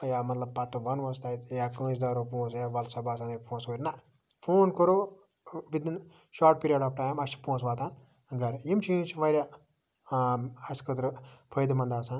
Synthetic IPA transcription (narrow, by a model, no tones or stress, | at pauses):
jamɐt̪lɐb̚pɐt̪ːɨʋɐnʋɐst̪aːjt̪jaːkə̃ːsd̪aːɾopõːt͡sjaʋɐlsɐbaːsaːnɐpʰõːsʋəɾʲnɐ | pʰoːnkəɾo | ʋid̪in | ʃaːɾʈ̚piːɾijeɖaːfʈaːjmɐst͡ʃʰi̥põːsʋaːt̪aːn | ɡɐɾjimt͡ʃʰijimt͡ʃʰiʋɐɾʲa | ɐskət̪ɾpʰəjd̪mɐnd̪aːsaːn